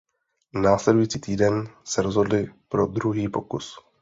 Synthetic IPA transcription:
naːslɛdujiːt͡siːt̪iːdɛnsɛɾozɦo̞dlɪpɾo̞d̪ɾuɦiːpo̞kus

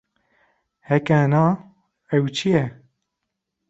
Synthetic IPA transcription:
hɛkænɑː | ɛwt͡ʃʰijɛ

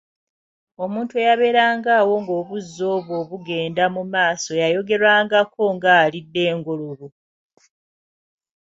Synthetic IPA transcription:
o̞muːntuejaβe̞ːɾaːŋɡaːwo̞ŋɡo̞ːβuzːo̞ːβo̞ːβuɡe̞ːndamumaːso̞jajo̞ɡe̞ɾwaːŋɡako̞ŋɡaːlidːe̞ːŋɡolulu

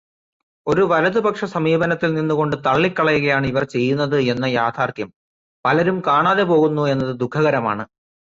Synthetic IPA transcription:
o̞ɾuʋɐlɐðɨbɐkʂɐsɐmiːbɐnɐt̪ːilninːuɣo̞ɳɖɨt̪ɐɭːikːɐɭɐjuɣɐjaːɳɨiʋɐrt͡ɕe̞jːunːɐðɨe̞nːɐjaːt̪ʰaːrt̪jɐm | pɐlɐɾumkaːɳaːðe̞po̞ːɣunːue̞nːɐðɨd̪ukʰːɐɣɐɾɐma̰ːɳɨ

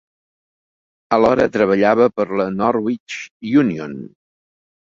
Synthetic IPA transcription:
əlɔɾə̰t̪ɾəβ̞əʎaβəpəɾlənɔɾwit͡ʃjunion

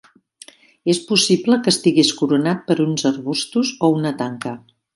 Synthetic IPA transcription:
espusipləkəst̪iɣeskuɾunat̪̚pəɾunzərβust̪uzounət̪aŋkə

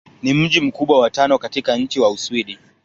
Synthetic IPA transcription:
nim̩ʄim̩kuɓwawatanɔkatikaɲ̩t͡ʃiwauswiɗi

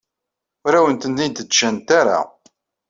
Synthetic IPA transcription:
ʊɾæwənt̪ənd̪int̪əd̪t͡ʃːænt̪aɾa̰

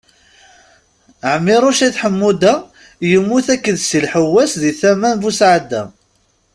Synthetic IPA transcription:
ʕəmːɪɾˤuʃæθħəmːud̪æ | jəmːuθækːəðsəlħəwːæsðiθæmænvusʕad̪ːæ

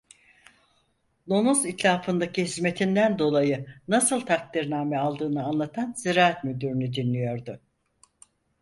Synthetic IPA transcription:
lˠonuzit̪ʰlʲaːfɯnd̪acʰiɦizme̞t̪ʰind̪ænd̪o̞lˠajɯnasɯlˠt̪ʰak̚t̪ʰiɾnaːmɛalˠd̪ɯːnɯanlˠat̪ʰanziɾaːat̪myd̪yɾynyd̪inːʲijo̞ɾd̪ʊ

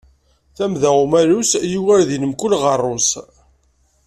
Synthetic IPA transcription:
θæmðæumælusjuwæɾðinəmkʊlʁərˤːos

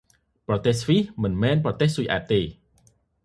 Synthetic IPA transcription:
prɑt̪eːhsʰʋihmɨnmɛːnprɑt̪eːhsujʔa̰ːt̪̚t̪ːeː

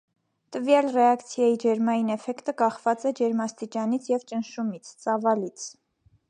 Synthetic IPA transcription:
t̪əvjɑlrɛɑkt͡sʰjɑjid͡ʒɛɾmɑjinɛfɛkt̪əkɑχvɑt͡sɛd͡ʒɛɾmɑst̪it͡ʃɑnit͡sʰjɛvt͡ʃənʃumit͡sʰt͡sɑvɑlit͡sʰ

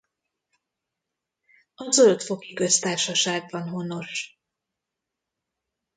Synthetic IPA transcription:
ɒzøt̪fo̞kikø̞st̪aːrʃɒʃaːɡ̚bɒnɦo̞no̞ʃ

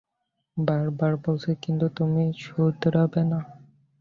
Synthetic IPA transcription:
baɾbaɾbolsʰekint̪ut̪umit͡ɕʰuɾd̪ɾabena

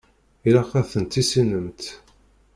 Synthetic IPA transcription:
iɾæχæθənt̪isinəmt̪

